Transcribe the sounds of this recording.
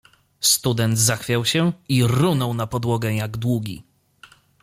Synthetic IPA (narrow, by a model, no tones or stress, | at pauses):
st̪ud̪ɛnd̪zaxfʲjawɕɛiɾunɔwnapɔd̪wɔɡɛjaɡd̪wuɡʲḭ